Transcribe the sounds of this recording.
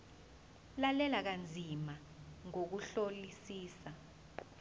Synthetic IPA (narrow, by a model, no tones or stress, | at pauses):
lalɛlak̬and͡zʱima | ŋok̬uɬolisiːsa